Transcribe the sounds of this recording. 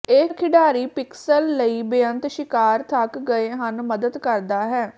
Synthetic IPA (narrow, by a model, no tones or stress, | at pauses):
eːkʰɪɖaːɾiːpɪksəlːəiːbjə̃nt̪ʃɪkaːɾt̪ʰəkɡəeːɦənməd̪əd̪kəɾd̪aːɦɛː